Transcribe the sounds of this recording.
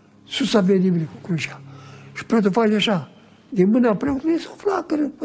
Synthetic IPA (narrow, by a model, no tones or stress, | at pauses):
susavenibilekukuɾuʃḁʃi̥pɾot̪̬ofaʒaʃa | d̪emɨnapɾet̪uesoflakəɾ